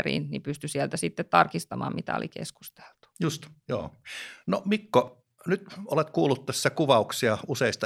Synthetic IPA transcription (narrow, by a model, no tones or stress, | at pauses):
rḭːnnipyst̪ysiɛlt̪æsit̪ːet̪t̪ɑrkist̪ɑmɑ̰ːmmit̪æ̰o̰lḭkḛsku̥st̪e̥l̥t̪u̥just̪jo̰ːnomikːo | nyt̪olet̪kuːlːˑut̪t̪æsːækuʋɑuksiɑuseˑist̪ɑ